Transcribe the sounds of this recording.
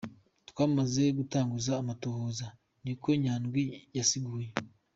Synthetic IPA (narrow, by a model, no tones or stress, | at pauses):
twaːmaze̞ɡutaːŋɡuzaːmatohoːza | niko̞ɲaːnɡwijasiɡuːje